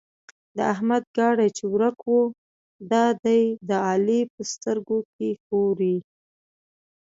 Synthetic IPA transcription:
d̪əaɦmad̪̚ɡɑɽajt͡ʃewɾakwu | d̪ɑd̪ajd̪əɑlipəst̪əɾɡokexoɾi

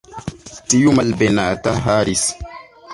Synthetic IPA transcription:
tijumalbɛnaːtaɦaːɾis

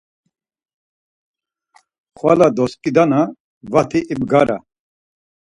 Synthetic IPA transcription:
χwa̰lad̪ɔskʼid̪ana | vat̪ʰiʔibɡaɾa̰

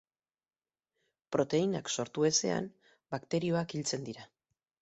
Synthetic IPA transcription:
pɾo̞t̪e̞inakso̞ɾt̪ue̞se̞̰a̰m | bakt̪e̞ɾio̞akilt͡se̞nd̪iɾa

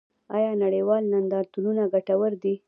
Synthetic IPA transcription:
ɑjɑnaɽejwɑlnand̪ɑɾt̪ununaɡaʈawəɾd̪i

